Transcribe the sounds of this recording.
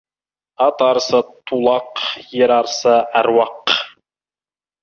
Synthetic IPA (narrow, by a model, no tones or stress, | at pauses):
ɑt̪ɑɾsɑt̪ʰulˠɑqjeɾɑɾsɑæɾwɑq